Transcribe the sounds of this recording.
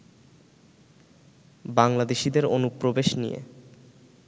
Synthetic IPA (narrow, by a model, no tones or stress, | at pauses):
baŋlad̪eʃid̪eɾonupːɾobeʃnijḛ